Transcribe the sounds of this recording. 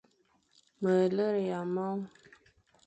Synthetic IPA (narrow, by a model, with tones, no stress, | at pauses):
mə˨lə˦ɾja˨mɔ˦ŋ